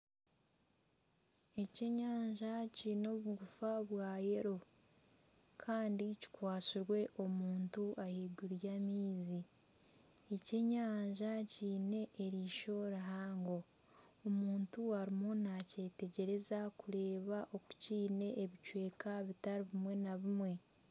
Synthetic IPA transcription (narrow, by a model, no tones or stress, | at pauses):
e̞ce̞ɲaːɲʒacino̞βuɡufaβwaːje̞ɾo̞ | kʰaːndici̥kwaːsiɾwe̞ʔo̞muːntuʔaheɡuɾjamiːzi | ece̞ɲaːɲʒaciːne̞ʔːɾiːʃo̞ɾaɦaːŋɡo̞ː | muːntuaɾimo̞nace̞ːte̞ɟe̞ɾe̞zakuɾe̞ːβaʔo̞ku̥ciːne̞ʔːβicwe̞ːkaβitaɾiβimwe̞naβimwe̞